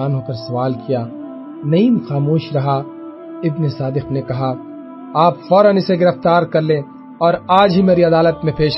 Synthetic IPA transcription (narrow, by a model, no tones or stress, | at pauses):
aːnɦoːkɐɾsɐʋaːlkijaː | nɐiːmxaːmoːʃɾɐɦa | ɪbnesaːd̪ɪqnekɐɦa | aːpfɔːɾənɪseɡɪɾəft̪aːɾkɐɾlẽː | ɔːɾaːd͡ʒɦimeːɾiɐd̪aːlət̪mẽpeːʃ